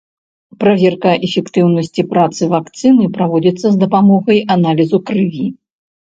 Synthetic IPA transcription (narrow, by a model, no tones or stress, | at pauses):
pɾavʲɛrkɐʔɛfʲɛkt̪ɨwnɐsʲt͡sʲipɾat̪sɨvakt̪sɨnɨpɾavɔd͡zʲit̪sːɐzd̪ɐpamɔɣɐjanalʲizukɾɨvʲi